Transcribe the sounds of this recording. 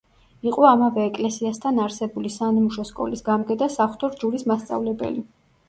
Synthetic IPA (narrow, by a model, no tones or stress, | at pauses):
iqʼɔamavɛːkʼlɛsiast̪ʰanaɾsɛbulisanimuʃɔskʼɔ̰lisɡamɡɛd̪asaχt̪ʰɔɾd͡ʒuɾismast̪sʼa̰vlɛbɛ̰li